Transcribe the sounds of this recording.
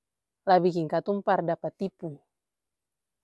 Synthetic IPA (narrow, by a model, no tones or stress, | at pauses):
labikiŋkat̪umpardapat̪ːipu